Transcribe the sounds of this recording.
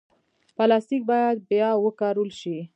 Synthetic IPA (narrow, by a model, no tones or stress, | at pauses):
pɑlɑst̪ik̚bɑjad̪̚bjɑwəkɑɾəlʃi